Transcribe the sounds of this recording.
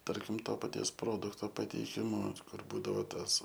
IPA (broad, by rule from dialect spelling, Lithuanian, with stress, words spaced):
ˈtɐrʲkʲɪm ˈtoː pɐˈtʲiɛs ˈproːdʊktoː pɐtʲɛɪˈkʲɪmʊ ˈkʊr ˈbuːdɐʋoː ˈtɐs